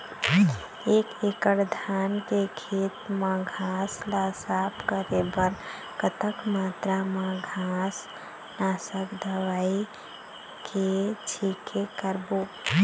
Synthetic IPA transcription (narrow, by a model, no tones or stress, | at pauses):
ekekəɾd̪ʱankeɡʰʱit̪mãɡʱaslasapʰkəɾebəɾ | kət̪əkmat̪ɾamãɡʱas | nasəkd̪əwai | kʰet͡ʃʰikʰekəɾbo